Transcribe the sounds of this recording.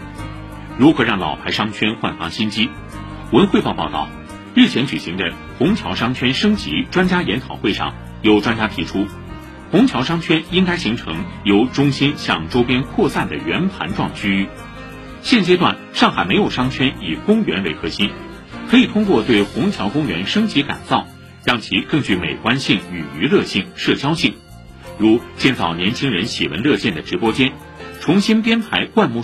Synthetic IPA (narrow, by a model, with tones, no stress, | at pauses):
ɻu˧˥xɤ˧˥ɻɑ˥˩ŋlɑ̰˨˩ʊpʰa˧˥ɪʂɑ˥ŋt͡ɕʰɥɛ˥nxwa˥˩nfɑ̰˧˥ŋɕi˥nt͡ɕi˥ | wə˧˥nxwe˥˧ɪpɑ˥˧ʊpɑ˥˧ʊɑ̰˥˩ʊ | ɻɻ̩˥˩t͡ɕʰjɛ˧˥nt͡ɕy˨˩ɕi˧˥ŋd̪ə˧ | xʊ˧˥ŋt͡ɕʰjɑ˧˥ʊʂɑ˥ŋt͡ɕʰɥɛ˥nʂɤ˥ŋt͡ɕḭ˧˥ʈ͡ʂwa˥nt͡ɕja˥jɛ˧˥nt̪ʰɑ˨˩ʊxwe˥˧ɪʂɑ̰˥˩ŋ | jo˧˩ʊʈ͡ʂwa˥nt͡ɕja˥t̪ʰi˧˥ʈ͡ʂʰu˥ | xʊ˧˥ŋt͡ɕʰjɑ˧˥ʊʂɑ˥ŋt͡ɕʰɥɛ˥ni˥ŋka˥ɪɕi˧˥ŋʈ͡ʂʰɤ̰˧˥ŋjo˧˥ʊʈ͡ʂʊ˥ŋɕi˥nɕjɑ˥˧ŋʈ͡ʂo˥ʊpjɛ˥nkʰwɔ˥˧sa˥˩nd̪ə˩ɥɛ˧˥npʰa̰˧˥nʈ͡ʂwɑ̰˥˩ŋt͡ɕʰy˥y˥˩ | ɕjɛ˥˩nt͡ɕjɛ˥t̪̬wa̰˥˩n | ʂɑ˥˩ŋxa˨˩ɪme˧˥ɪjo˨˩ʊʂɑ˥ŋt͡ɕʰɥɛ˥ni˨˩kʊ˥ŋɥɛ̰˧˥nwe˧˥ɪkʰɤ˧˥ɕi˥n | kʰɤ˧˥i˨˩t̪ʰʊ˥ŋk̬wɔ˥˧t̪we˥˩ɪxʊ˧˥ŋt͡ɕʰjɑ˧˥ʊkʊ˥ŋɥɛ̰˧˥nʂɤ˥ŋt͡ɕi˧˥ka̰˨˩nt͡sɑ˥˩ʊ | t͡ɕɑ˥ŋt͡ɕʰi˧˥kɤ˥˧ŋt͡ɕy˥˩me˨˩ɪkwa˥nɕi˥˩ŋy˨˩y˧˥lɤ˥˧ɕi˥˩ŋʂɤ˥˩t͡ɕjɑ˥ʊɕi˥˩ŋ | ɻu˧˥t͡ɕjɛ˥˧nt͡sɑ˥˩ʊnjɛ˧˥nt͡ɕʰi˥ŋɻə˧˥nɕɛ̰˨˩wə̰˧˥nlɤ˥˧ɕjɛ˥˩nd̪ə˩ʈ͡ʂɻ̩˧˥pwɔ˥t͡ɕjɛ˥n | ʈ͡ʂʰʊ˧˥ŋɕi˥npjɛ˥nt̪ʰa˧˥ɪkwa˥˧nmu˥˧